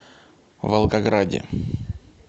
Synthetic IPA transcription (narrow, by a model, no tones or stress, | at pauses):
vɐlˠɡɐɡɾadʲɪ̰